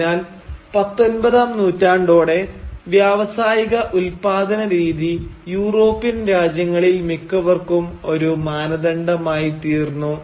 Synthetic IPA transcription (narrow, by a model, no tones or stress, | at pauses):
aːl | pɐt̪ːo̞nbɐðaːmnuːtːaːɳɖo̞ːɽe̞ʋjaːʋɐsaːjiɣɐʔulpaːd̪ɐnɐɾiːðijuːro̞ːpːinɾaːd͡ʑjɐŋːɐɭilmikːɐʋɐrkumo̞ɾumaːnɐðɐɳɖɐmaːjit̪iːrnːu